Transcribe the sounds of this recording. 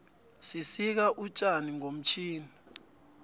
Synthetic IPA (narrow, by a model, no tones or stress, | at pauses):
sisik̬aʔut͡ʃʼaniŋom̩t͡ʃʰiːni